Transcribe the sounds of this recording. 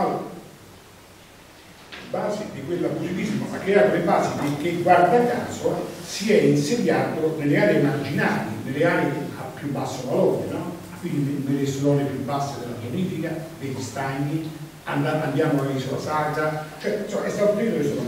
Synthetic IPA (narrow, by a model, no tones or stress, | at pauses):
al | baːsed̪ikwelːapːusikismomakːeɾaːt̪olebaːsikek̟ːeɡward̪akːaːsosiɛinsed̪jːaːt̪onelːeaːlemard͡ʒinaːlḭnelːeaːleapːjubːasːolalɔːd̪enɔ | kwind̪inelːeslɔːnepjubːasːed̪elːapjoniːfikad̪eʎːist̪aɲːi | anaʔand̪jaːmoisola̰saːdat͡ʃoɛsɔaɛst̪aːt̪opɾiːlːokes